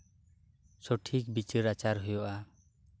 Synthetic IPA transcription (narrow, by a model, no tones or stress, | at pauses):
sɔʈʰik̚bit͡ʃəɾat͡ʃaɾɦujɔʔa